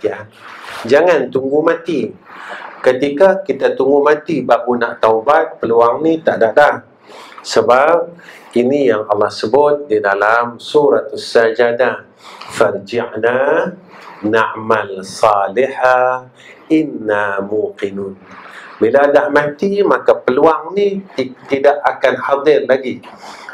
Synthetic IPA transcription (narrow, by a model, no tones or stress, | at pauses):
ad͡ʒaŋant̪uŋɡumat̪i | kət̪ikakit̪at̪uŋɡumat̪ibakunaʔt̪aubat̪̚pəluaŋnit̪aʔdaʔdah | səbap̚ | inijaŋɑlːɑhsəbʊt̪̚didalamsuɾat̪sːad͡ʒada | fard͡ʒaʔna | naʔmalsɑliħa | ʔɪnːamuqinʊnbiladahmat̪imakapəluaŋnit̪idaʔakanħad̪ˤɪrlaɡi